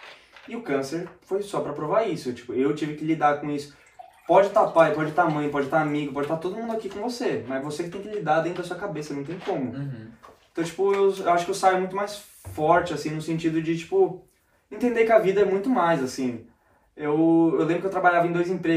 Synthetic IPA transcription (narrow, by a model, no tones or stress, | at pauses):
ɪʊkɐ̃seɾfojsɔpɾɐpɾovaisʊt͡ʃi̥pʊewt͡ʃivɪkɪlid̪aɾkõisʊ̥ | pɔd͡ʒɪt̪apajpɔd͡ʒɪt̪amɐ̃j̃pɔd͡ʒɪt̪aɾamiɡʊpɔd͡ʒɪt̪aɾt̪odʊmũd̪ʊakikõvosemɐzvosekɪt̪ẽj̃kɪlid̪aɾd̪ẽt̪ɾd̪ɐsuɐkabesɐnɐ̃w̃t̪ẽj̃kõmʊ̃ | t̪ɐ̃w̃t͡ʃi̥pʊewewaʃʊkɪewsajʊmũj̃t̪ʊmajs | fɔɾt͡ʃɪasĩnʊsẽnt͡ʃid̪ʊd͡ʒɪt͡ʃi̥pʊ | ẽnt̪ẽnd̪ekɪɐvid̪ɐɛmũj̃t̪ʊmajzasĩ | ewewlẽmbɾʊkewt̪ɾabaʎavɐẽd̪ojzẽpɾe